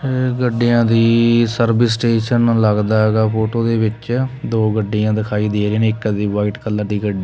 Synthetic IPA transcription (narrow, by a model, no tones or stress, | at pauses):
eɡəɖːijãːd̪iːsəɾbɪsʈeːʃənləɡd̪aːɦɛːɡaːpoːʈoːd̪eːʋɪt͡ʃd̪oːɡəɖːɪjãːd̪ɪkʰaːiːd̪eːɾeːnɪkːəd̪iːʋaːɪʈkəlːəɾd̪iːɡəɖi